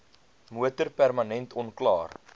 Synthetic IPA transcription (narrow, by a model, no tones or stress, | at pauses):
muətərpærmɐnɛntɔnklɑːr